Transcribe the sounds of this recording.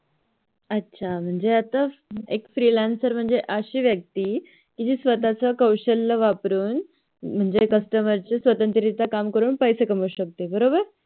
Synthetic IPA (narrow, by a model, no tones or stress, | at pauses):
ətːɕʰam̤əɳd͡zeat̪aekfɾilansəɾm̤əɳd͡zeʔəɕiːʋjək̚t̪iː | kid͡ʑiːsʋət̪at͡sakəwɕəlːəʋapɾuːn | m̤əɳd͡zekəsʈəməɾt͡ɕesʋət̪ənt̪ɾit̪akamkəɾuːnpəjsekəmoɕək̚t̪ebəɾobəɾ